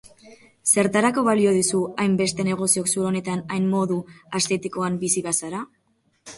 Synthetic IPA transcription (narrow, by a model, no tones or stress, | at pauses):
se̞ɾt̪aɾako̞βalio̞ðisuajmbe̞st̪e̞ne̞ɣ̞o̞sio̞ksuɾo̞ne̞t̪anajmmːo̞ðuast̪e̞t̪iko̞ambisiβasaɾa